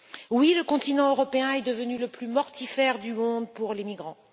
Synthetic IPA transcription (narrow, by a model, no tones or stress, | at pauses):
wiləkɔ̃t̪inɑ̃øʁɔpeɛ̃ɛd̪əvənyləplymɔʁt̪ifɛʁd̪ymɔ̃d̪puʁlemiɡʁɑ̃